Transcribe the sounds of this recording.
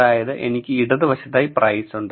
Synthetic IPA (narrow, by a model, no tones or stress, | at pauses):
aːjɐðɨʔe̞̰nikʲːɨiɽɐðiʋɐɕɐt̪ːaːjiprɐjsuɳɖɨ